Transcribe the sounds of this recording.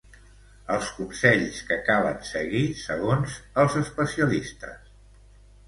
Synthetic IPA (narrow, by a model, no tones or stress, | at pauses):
əlˠskumsɛʎskəkaβə̰nsəɣisəɣ̞onzəlˠzəspəsiəlist̪ə̰s